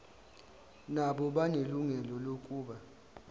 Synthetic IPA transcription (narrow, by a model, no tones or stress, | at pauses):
naɓɔɓaneluŋɛlɔlokʼuːɓa